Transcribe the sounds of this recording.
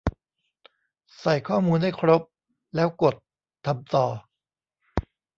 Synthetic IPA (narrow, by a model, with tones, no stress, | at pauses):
sa˨˩jkʰɔː˥˩muː˧nda˥˩jkʰɾo˦˥p̚ | lɛː˦˥wko˨˩t̪ʰː | a˧mt̪ɔː˧